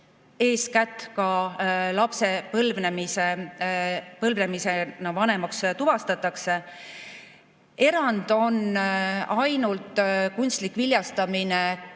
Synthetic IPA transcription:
e̞ːskæt̪ːˑkɑlɑpse̞pɤlvnemise | pɤlvnemise̞nɑvɑne̞mɑkst̪uvɑst̪ɑt̪ːˑɑkse̞ | e̞ɾɑnd̪̥o̞n | ɑjnult̪ˑkunst̪likviljɑst̪ɑmine

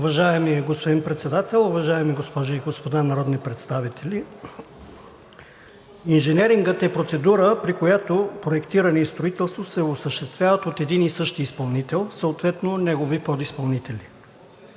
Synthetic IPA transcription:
ʊvɐʒaɛmiɛɡospod̪inpɾɛt̪sɛd̪at̪ɛlˠʊvɐʒaɛmiɡospɔʒʊiɡospod̪anɐɾɔd̪nipɾɛt̪st̪avit̪ʰɛlʲi | inʒɛnɛɾiŋɡət̪ɛpɾot̪sɛd̪uɾəpɾikojat̪opɾoɛkt̪iɾənɛist̪ɾoit̪ɛlˠst̪vosɛosəʃt̪ɛst̪vʲjavət̪ot̪ɛd̪inisɤʃt̪iːspɐlˠnit̪ɛlˠsəot̪vɛt̪nonɛɡovipɔd̪ispɐlˠnit̪ɛlʲi

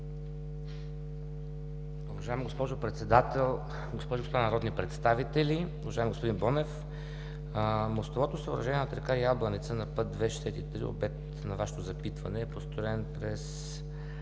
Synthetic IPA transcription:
ʊvɐʒaɛmɡospɔʒopɾɛt̪sɛd̪at̪ɛlˠ | ɡospɔʒʊɡospod̪anɾɔd̪nipɾɛt̪st̪avit̪ɛliʊvɐʒaɛmɡospod̪inbɔnɛf | most̪ovɔt̪osəoːɾɐʒɛniɛnot̪ɾɛkajablˠənit̪sənɐpɤt̪̚d̪vɛʃɛsɛt̪it̪ɾḭo̰bɛk̚t̪ | nɐvaʃɛ̥t̪ozɐpit̪vɐnɛːpost̪oɾɛnpɾɛs

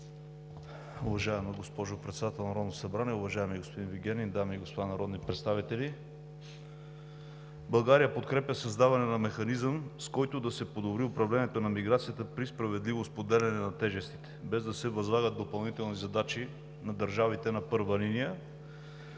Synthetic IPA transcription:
ʊvɐʒaɛməɡospɔʒʊpɾɛt̪sɛd̪at̪ɛlˠnɐɾɔd̪nosɐbɾaniɛʊvɐʒaɛmiɡospod̪inviɡʲɛnʲind̪amiɡospod̪anɐɾɔd̪nipɾɛt̪st̪avit̪ɛlʲi | bɐlˠɡaɾijəpot̪kɾɛpʲjəsɐzd̪avɐnɛnɐmɛxɐnizəmskɔjt̪ʊd̪ɐsɛpod̪obɾiʊpɾɐvlɛniɛt̪onɐmiɡɾat̪sijət̪əpɾispɾɐvɛd̪livospod̪ɛlɛnɛnɐt̪ɛʒɛst̪i̥t̪ɛ̥bɛzd̪ɐsɛvɐzlˠaɡəd̪opɐlˠnit̪ɛlˠnizɐd̪at͡ʃi | nɐd̪əɾʒavit̪ɛnɐpɤɾvəlinijə

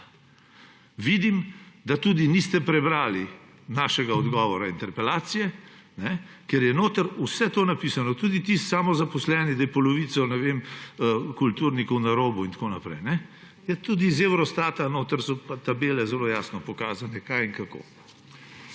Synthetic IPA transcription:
ʋid̪imd̪at̪ud̪inist̪ɛpɾɛbɾaːli | naːʃɛɡaɔd̪ɡɔːʋɔɾaint̪ɛɾpɛlaːt̪sijɛ | nɛ | kɛɾjɛnoːt̪əɾusɛt̪oːnapiːsanɔt̪uːd̪it̪ist̪saːmɔzapɔslɛnid̪ajɛpɔlɔʋiːt̪sɔnɛʋeməkult̪uɾnikɔwnaɾoːbuint̪koːnapɾɛ̰jnɛ | jɛt̪uːd̪izewɾɔst̪aːt̪anoːt̪əɾsɔpat̪abeːlɛzɛlojaːsnɔpɔkaːzanɛkajiŋkako̰ː

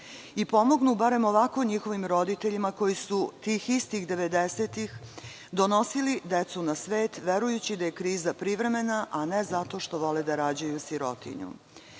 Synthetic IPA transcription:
ipo̞mo̞ɡnubaɾe̞mo̞ʋako̞ɲixo̞ʋimɾo̞d̪it̪eʎimako̞jisut̪iːxist̪iɣd̪e̞ʋe̞d̪e̞seːt̪ix | d̪o̞no̞silid̪e̞t̪sunasʋe̞ːt̪ʋe̞ɾujut͡ɕid̪aje̞kɾiːzapɾiʋɾe̞me̞naʔane̞zat̪o̞ʃt̪o̞ʋo̞led̪aɾaːd͡ʑajusiɾo̞̰t̪ḭɲṵ

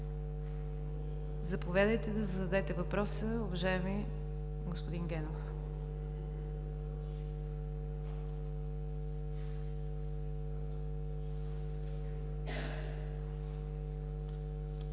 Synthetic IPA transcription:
zɐpovʲjad̪əjt̪ɛd̪ɐzəd̪ɐd̪ɛt̪ɛvɐpɾɔsəʊvɐʒajɛmi | ɡospod̪inɡɛnof

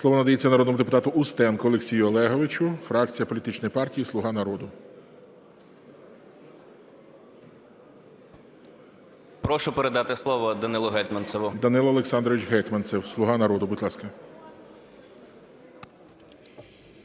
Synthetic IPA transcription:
slˠɔʋɔnɐd̪ɐjet͡sʲːɐnɐɾɔd̪nɔmʊd̪epʊt̪ɑt̪ʊʔʊst̪ɛnkʊɔlˠeksʲijʊɔlˠɛɦɔʋɪt͡ʃʊfɾɑkt͡sʲijɐpɔlʲit̪ɪt͡ʃnɔjpɑrtʲijislˠʊɦɑnɐɾɔd̪ʊ | pɾɔʃʊpeɾed̪ɑt̪ɪslˠɔʋɔd̪ɐnɪlˠʊɦɛt̪ʲmɐnsɛʋʊd̪ɐnɪlˠɐlˠeksɑnd̪ɾɔʋɪt͡ʃɦɛt̪mɐnsɛwslˠʊɦɑnɐɾɔd̪ʊbʊd̪ʲlˠɑskɐ

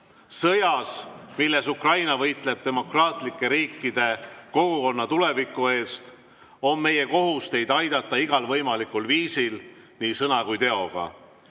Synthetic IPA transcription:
sɤjɑsmilːe̞sukrɑjnɑvɤjt̪ˑle̞b̥̚t̪e̞mo̞krɑːt̪ˑlikːˑe̞ɾiːkːˑid̪̥e̞ko̞ɡ̥uko̞nːɑt̪ule̞vikːˑue̞ːst̪ | o̞nme̞je̞ko̞ɦust̪e̞jd̪ɑjd̪̥ɑt̪ːˑɑiɡ̥ɑlvɤjmɑlikulviːsil | niːsɤnɑkujt̪e̞o̞ɡ̥ɑ̰

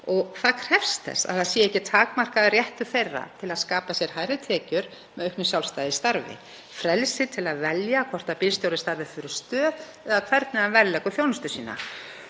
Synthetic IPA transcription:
ɔɣθaðkʰr̥ɛfst̪ɛ̰sa̰ðθaðsjɛɛhcːɪt̪ʰaːkmar̥kaðɪrjɛht̪ʏ̥θejrːa̰t̪ʰɪlaðskaːpasjɛɾ̥hajɾɪt̪ʰɛːcʏɾ | mɛðœɥhknʏsjawlst̪ajðɪst̪aɾvɪ̰ | fɾɛlsɪt̪ʰɪlaðvɛljakʰvɔr̥t̪apɪlst̪jowɾðɪst̪aɾvɪfɪɾɪst̪œːð | ɛðakʰvɛɾt̪nɪavɛllɛːkʏθjownʏst̪ʏsiːna̰

